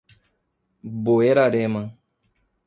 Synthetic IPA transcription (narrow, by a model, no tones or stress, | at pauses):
bojeɾaɾɛmaŋ